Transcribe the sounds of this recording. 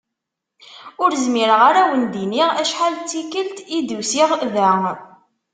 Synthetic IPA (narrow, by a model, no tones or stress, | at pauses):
ʊɾzmiɾəʁaɾæwənd̪iniʁæʃħalt͡sːikəlt̪id̪usiʁðæ